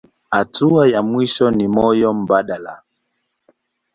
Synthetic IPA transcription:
hatuajamwiʃɔnimɔjɔm̩baɗala̰

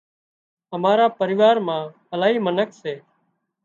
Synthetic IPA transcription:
ɦəmaːɾaːpəɾɪʋaːɾmãː | əlaːɦiːmənəkseː

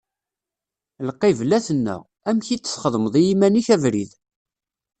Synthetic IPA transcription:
lqːivlæθənːə̰ʁ | æmçit͡sːə̥θχəðˤməðˤijimæniçævɾḭð

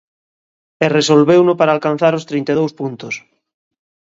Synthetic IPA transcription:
eresolβewnopaɾaːlkan̟θaɾost̪ɾijnt̪eðowspunt̪os

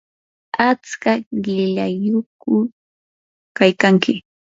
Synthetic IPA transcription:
at͡skaɢɪʎajʊkʊ | kajkaŋkɪ

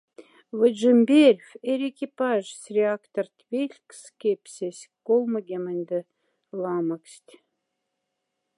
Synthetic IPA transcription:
vəʒɨmʲbʲerʲfʲeɾʲekʲipɑʒsʲrʲeakt̪ort̪ʲvʲelʲkʲskʲepʲsʲesʲkolˠməɡʲemənʲd̪ə | lˠɑməksʲt̪ʲ

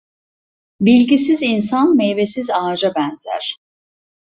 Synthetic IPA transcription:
bilʲɟisizinsanmejvesizaːd͡ʒabɛnzæ̰ɾ̥

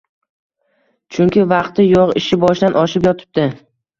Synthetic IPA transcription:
t͡ʃʰʊŋkʲɪvɑqt̪ɪjɒʁɪ̰ʃɪbɒʃd̪anʔɒʃɪpjɒt̪ʰɪ̥p̚d̪ɪ

